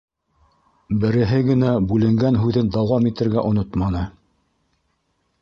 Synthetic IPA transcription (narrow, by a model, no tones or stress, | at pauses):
bɘ̆ɾɘ̆ɦɘɡɘ̆næbʉlɘ̆ŋɡænɦʉðɘnd̪ɑwɑmit̪ɘ̆ɾɡæʔŏnot̪mɑnɤ